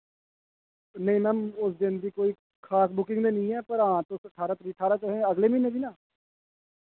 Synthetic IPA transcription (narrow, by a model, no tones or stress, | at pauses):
nəĩːmɛ̃ːʊsd̪ɪnd̪iːkoːiː | kʰaːsbʊkɪ̃ŋɡd̪eːnəĩːɛːpəɾãːt̪õːsəʈʰaːɾaːt̪ɾiːʈʰaːɾaːt̪ɦẽːəɡleːmineːd̪iːnãː